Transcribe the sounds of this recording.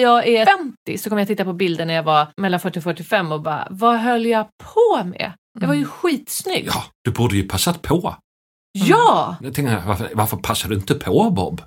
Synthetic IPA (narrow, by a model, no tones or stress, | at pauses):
jɑːɡæɾfɛnt̪ɪsɔkʰɔmːəjat̪ɪt̪ːapɔbɪld̪əɳæɾjavaɾmɛlːanfœʈːɪfœʈːɪfɛmːɔbɑ̰vaɦœlːjɑɡpʰɔmɛ̰ | jɑvaɾjɵɧiːt̪snʏ̰ɡːd̪̥ɵbuːdəjɵpʰasat̪pʰɔ | jɑːt̪ʰɛŋkəja̰vaɾfəvaɾfœɾpʰasːaɖɵɪnt̪əpʰɔbɔ̰bː